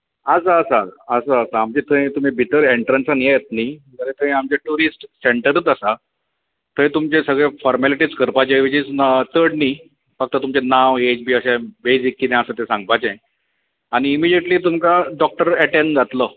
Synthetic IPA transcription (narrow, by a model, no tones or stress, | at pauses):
əsaːsaːsaːsaːmt͡ɕet̪ʰəj̃t̪um̤ibiʈəɾeɳʈɾənsanjejt̪̚niɡəɾet̪ʰə̃amt͡ɕeʈuɾisʈseɳʈəɾət̪əsa | t̪ʰə̃j̃t̪umt͡ɕẽsəɡɭefɔɾmɛliʈiːt͡skəɾpat͡ɕeʋit͡ɕid͡zt̪əɽni | fək̚t̪ət̪umt͡ɕenaʋed͡ʑbiːəɕabed͡zikːinẽəsət̪esãŋɡ̚pat͡ɕẽ | añiːmid͡ʑeʈliːt̪̬umkaɖɔk̚ʈəɾɛʈẽnd͡zat̪lə